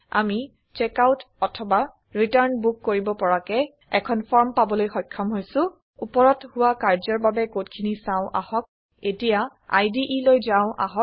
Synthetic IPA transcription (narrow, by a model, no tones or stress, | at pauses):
a̰mi | t͡ʃɛkawt | ɔtʰɔba | ɹitaɹnbukːoɹibɔpɔɹakɛ | ɛkʰɔnpʰɔɹmpabɔlojxɔkʰːɔmɦojsʊ̃ | upɔɹɔthʊwakaɹzɔɹbabɛkotkʰinisãʊ̃ʔa̰hɔk̚ | etija | a̰jdiʔilojzãʊ̃ʔa̰ɦɔk̚